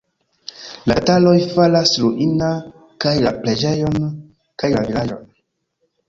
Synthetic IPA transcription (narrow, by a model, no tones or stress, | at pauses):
la̰talo̞jfalasluʔina | kajlaple̞d͡ʒe̞jo̞n | kajlavilad͡ʒo̞̰n